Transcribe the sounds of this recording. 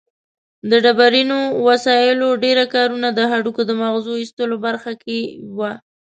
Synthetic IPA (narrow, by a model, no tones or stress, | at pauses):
d̪əɖabaɾinowasɑjɪloɖeɾakɑɾunad̪əɦaɖukod̪əmaɣzoist̪əlobaɾxakʰewa